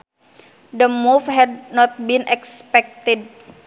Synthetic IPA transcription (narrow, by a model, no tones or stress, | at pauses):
d̪əmufhɛd̚nɔt̪̚binʔɛkspɛk̚t̪ɪd̚